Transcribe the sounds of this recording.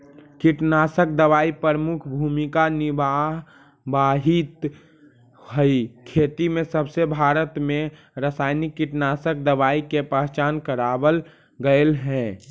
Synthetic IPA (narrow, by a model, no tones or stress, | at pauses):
kɪʈnaːsək̚d̪əʋaːipəɾəmʊkʰbʱuːmikanɪbaɦ | baːɦit̪ | hoikʰeːt̪imẽsəbsebʱaːɾət̪mẽ | ɾəsaːɪnikːɪʈnaːsək̚d̪əʋaːikepəɦt͡ʃaːnkəɾaːbəl | ɡəelɦɛ̃